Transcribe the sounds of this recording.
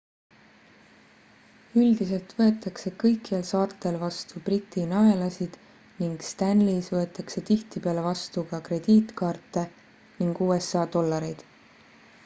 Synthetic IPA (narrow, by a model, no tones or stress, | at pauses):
yld̪̥ise̞lt̪vɤ̞e̞t̪ːˑɑkse̞kɤ̞jkːˑielsɑːrt̪ːˑe̞lvɑst̪ubrit̪ːˑinɑe̞lɑsid̪̥ | niŋɡ̥st̪ænliːsvɤet̪ːˑɑkse̞t̪iht̪ipeɑle̞vɑst̪ukɑkre̞d̪̥iːt̪kɑːrt̪ːˑe̞ | niŋɡ̥uːe̞sːɑːd̪o̞lːɑɾejd̪̥